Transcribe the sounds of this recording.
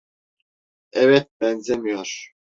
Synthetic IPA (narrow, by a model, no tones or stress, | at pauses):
ɛvɛt̪̚bɛnzɛmijoɾ̥